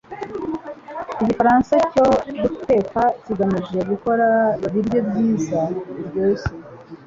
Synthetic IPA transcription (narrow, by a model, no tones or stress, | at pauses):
iɟifaɾansaco̞duku̥te̞kaciɡamiʒe̞βiko̞ɾaβibɟo̞bɟiːzaɾɟoːse